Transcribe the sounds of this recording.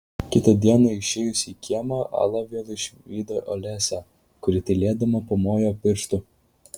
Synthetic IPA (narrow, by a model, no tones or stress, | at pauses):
kʲɪt̪ɐd̪ʲiɛnɐɪʃʲeːjʊsʲiːkʲiɛmɐʔɑ̰lˠɐʋʲeːlˠɪʃʲiːd̪oʔɔlʲɛsʲæ | kʊɾʲɪt̪ʲɐlʲeːd̪ɐmɐpoːmoːjoːpʲɪɾʃt̪ʊ